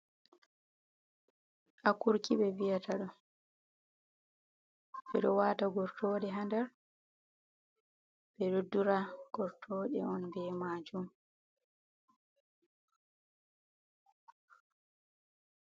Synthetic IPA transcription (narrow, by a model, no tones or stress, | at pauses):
ʔakuɾkiɓɛvijatʰaɗɔ | bɛɗɔwaːtaɡɔɾtʰɔːɗɛɦandɛɾ | bɛɗodːuɾaɡ̥ɔɾtʰɔɗɛɔnbɛmad͡ʒum